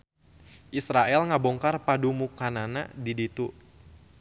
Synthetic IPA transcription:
ʔisɾaʔɛlŋabɔŋkarpadumukanana̰didit̪u

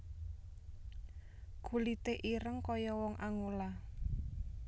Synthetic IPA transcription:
ɡ̥ulit̪eʔiɾəŋkɔjɔwɔŋʔaŋola

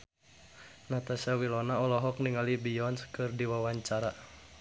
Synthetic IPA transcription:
nat̪asawilɔnaɔlɔɦɔk̚niŋalibijɔnskɨrdiwawaɲt͡ʃaɾa

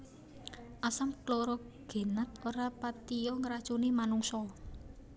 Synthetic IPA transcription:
ʔasamkloɾɔ | ɡ̥e̤nat̪oɾapat̪ijɔŋəɾḁt͡ʃunimanuŋsɔ

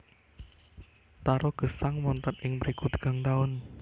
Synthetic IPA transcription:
t̪aɾɔɡ̥əsaŋmɔnt̪ɔnɪŋmɾikut̪ə̥ɡ̥a̤ŋt̪aʊn

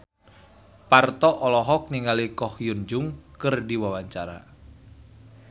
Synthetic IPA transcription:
part̪ɔʔɔlɔɦɔk̚niŋalikɔhjund͡ʒʊŋkɨrdiwawaɲt͡ʃaɾa̰

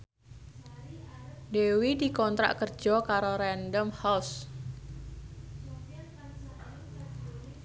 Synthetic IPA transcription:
dewidi̤kɔnt̪ɾa̰ʔkər̥d͡ʒ̥ɔkaɾoɾɛndəmhaws

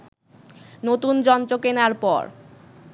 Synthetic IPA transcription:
not̪und͡ʑɔnt̪okenaɾpɔ̰ɾ

